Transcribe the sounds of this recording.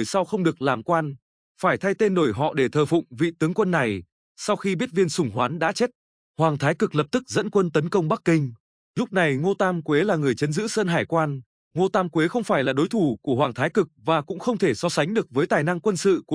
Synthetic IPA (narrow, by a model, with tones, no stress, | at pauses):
jsa˧wxə˧wŋ͡mɗɨ˨˩ək̚laː˨˩mkwaː˧n | faː˧˩jt̪ʰa˧jt̪e˧nɗo˧˩jɦɔ̰˧˨ɗe˧˩t̪ʰəː˨˩fʊ̰˧˨ŋ͡mvḭ˧˨t̪ɨ˨˦əŋkwə˧nːa˨˩j | sa˧wxi˧ɓi˦˥ət̚vi˧ənsʊ˨˧˩ŋ͡mɦwaː˨˦nɗa̰ː˧˥t͡ɕe˦˥t̚ | hwaː˨˩ŋt̪ʰaː˨˦jkɨ˨˩k̚lə˨˩p̚t̪ɨ˦˥k̚zə̰˧˥nkwə˧nt̪ə˨˦nkə˧wŋ͡mɓa˦˥k̚kːï˧ŋ̟ | ɲʊ˦˥k͡p̚na˨˩jŋo˧t̪aː˧mkwe˨˦laː˨˩ŋɨ˨˩əjt͡ɕə˨˦nzɨ̰˧˥sə˧nɦaː˧˩jkwaː˧n | ŋo˧t̪aː˧mkwe˨˦xə˧wŋ͡mfaː˧˩jlaː˨˩ɗo˨˦jt̪ʰu˧˩ku˧˩əwaː˨˩ŋt̪ʰaː˨˦jkɨ˨˩k̚vaː˨˩kʊ̰˧˥ŋ͡mxə˧wŋ͡mt̪ʰe˧˩sɔ˧sa˨˦jŋ̟ɗɨ˨˩ək̚vəː˨˦jt̪aː˨˩jna˧ŋkwə˧nsɨ̰˧˨ku˧˩